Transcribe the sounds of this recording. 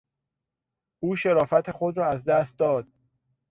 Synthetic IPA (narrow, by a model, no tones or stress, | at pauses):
ʔuːʃeɾɒːfæt̪ʰexod̪ɾɒːæzd̪æst̪̚d̪ɒːd̪̥̚